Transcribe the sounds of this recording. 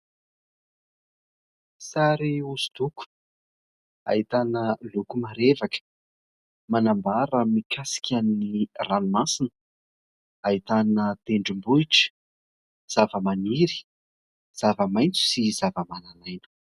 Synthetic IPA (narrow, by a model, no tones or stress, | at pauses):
saɾiuz̥u̥t̪uku̥ | a̰it̪anəlukumaɾevakə̥ | manambaɾəmikasi̥kʲʰanniranumasinə | ait̪anət̪eɳɖ͡ʐimbuiʈ͡ʂə̥ | z̥avəmaniɾi̥ | z̥avəmajnt͡su̥sizavəmananajnu̥